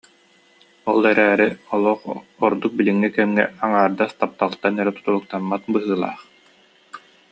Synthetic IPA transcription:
ɔlˠɛɾæːɾiɔlˠɔχɔɾd̪uk̚biliŋːikɛmːɛ̰aŋaːɾd̪ast̪ap̚t̪alˠt̪anɛɾɛt̪u̥t̪ulˠuk̚t̪amːat̪̚bɯɦɯːlˠa̰ːχ

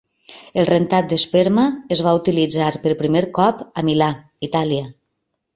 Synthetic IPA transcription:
elˠrent̪at̪̚d̪espeɾmaːzβ̞aut̪ilid͡zaɾpəɾpɾimeɾkɔpamila | it̪aliə

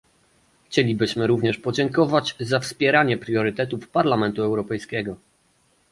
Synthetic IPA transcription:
xt͡ɕɛlʲibɘɕmɘɾuvɲɛʂpɔd͡ʑɛŋkɔvad͡ʑzafspʲjɛɾaɲɛpɾʲjɔɾɘt̪ɛt̪ufpaɾlamɛnt̪uɛwɾɔpɛjskʲɛɡɔ

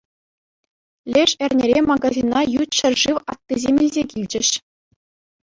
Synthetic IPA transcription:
lʲeʂɘ̆rʲnʲeɾʲemɑɡɑzʲinːɑjut̪ɕɘ̆rʲʐɯʋɑt̪ːizʲemʲilʲzʲekʲilʲd͡ʑɘ̆ɕ

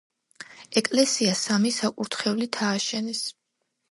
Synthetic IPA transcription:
ɛkʼlɛsiasamisakʼuɾt̪ʰχɛvlit̪ʰaːʃɛnɛs

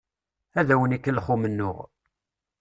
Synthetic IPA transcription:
æðæwənikːəlːχumənːʊ̰ʁ

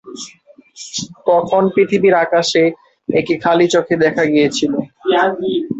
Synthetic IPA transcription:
t̪ɔkʰonpɾit̪ʰibiɾakaʃe | ek̚ikʰalit͡ɕokʰed̪ɛkʰaɡijet͡ɕʰilo

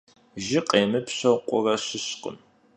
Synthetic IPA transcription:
ʒɪqʼeːmɨpɕɐwqʷʼʊrɐɕɪɕqʼə̰n

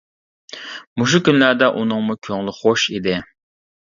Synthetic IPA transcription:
muʃukʲynlæɾd̪ɛʔunɨŋmukʲʰøŋlˠɪχoʃid̪ɪ

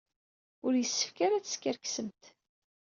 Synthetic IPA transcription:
ʊɾjəsːə̥fkaɾat͡sːə̥skʲəɾksəmt̪

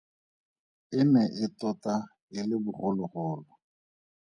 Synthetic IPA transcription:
ɪmɛʔɪtɔta | ɪlɪbʊrʊlʊrʊːlɔ

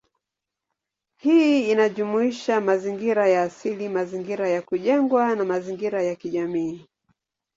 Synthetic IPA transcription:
hiinaʄumuiʃamaziŋɡiɾajaːsilimaziŋɡiɾajakuʄɛŋɡwanamaziŋɡiɾajakiʄamiː

